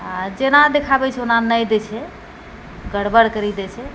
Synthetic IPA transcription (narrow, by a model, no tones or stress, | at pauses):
ad͡ʒenad̪ekʰabɛt͡ʃʰɛonanəjd̪ɛt͡ʃʰɛ | ɡəɽbəɽkəɾid̪ɛt͡ʃʰɛ